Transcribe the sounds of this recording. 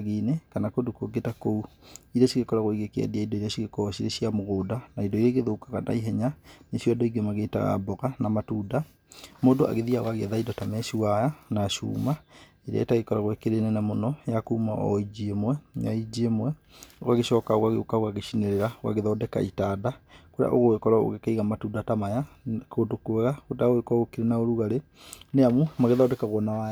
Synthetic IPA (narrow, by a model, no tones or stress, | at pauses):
ɣenekanakodokoɡetakouiɾaɕiɣekɔɾaɣoiɣekeɛ̰diaindɔiɾjaɕiɣekɔɔɕiɾeɕiamoɣoːdanaidɔiɾeɣeðokḁkana̰iɦɛɲanesjɔdoiɡemaɣeːta̰ɣa̰bɔɣanamatuːda | modoa̰ɣeðiawaɣeɛ̰ðaindɔtamɛʃiwajanaʃṵːma | eɾɛ̰etaɣekɔɾaɣwɛkeɾenɛnamonɔjakuːmaʔɔ̰id͡ʒemwɛnaid͡ʒemwɛ | oɣaɣeɕɔːkaoɣaɣeokaoɣaɣeʃineɾeɾawa̰ɣeðɔːdɛka̰itadakoɾea̰ʔo̰ɣoɣekɔɾao̰ɣekaiɣamatuːdatamajakoːdokwɛɣakoteaoɣekɣokeɾenaoɾuɣaɾe | neamumaɣeðɔːdɛkaɣwɔnawaja